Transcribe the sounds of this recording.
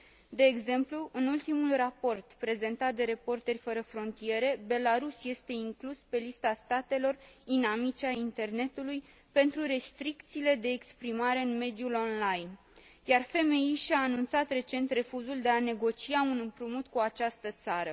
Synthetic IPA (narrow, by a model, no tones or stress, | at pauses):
d̪e̞ːɡze̞mpluʔɨnult̪imulrapo̞rt̪pɾe̞ze̞nt̪at̪̚d̪e̞ɾe̞po̞rt̪e̞rʲfəɾəfɾo̞nt̪ie̞ɾe̞be̞laɾusje̞st̪e̞iŋkluspe̞list̪ast̪at̪e̞lo̞rd̪inamit͡ʃeaint̪e̞rne̞t̪uluj | pe̞nt̪ɾuɾe̞st̪ɾikt̪siːle̞d̪e̞ːkspɾimaɾe̞ɨnme̞d̪ijulo̞nlajn | jarfe̞me̞iʃaːnunt̪sat̪re̞t͡ʃe̞nt̪re̞fuzuld̪e̞ane̞ɡo̞t͡ʃiaunɨmpɾumut̪kuat͡ʃast̪ət̪saɾə